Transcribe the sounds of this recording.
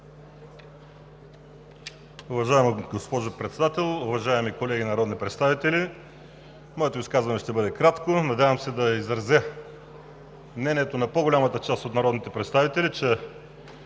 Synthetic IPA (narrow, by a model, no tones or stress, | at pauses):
ʊvɐʒaɛmɡospɔʒopɾɛt̪sɛd̪at̪ɛlˠʊvɐʒaɛmikolɛɡʲinɐɾɔd̪nipɾɛt̪st̪avit̪ɛli | mɔɛt̪oiskazvɐnɛʃt̪ɛbɤd̪ɛkɾat̪konɐd̪ʲjavəmsɛd̪ɐizɾɐzɛ | mnɛnʲiɛt̪onɐpoɡolʲamət̪ət͡ʃast̪ot̪nɐɾɔd̪nit̪ɛpɾɛt̪st̪avit̪ɛlʲit͡ʃɛ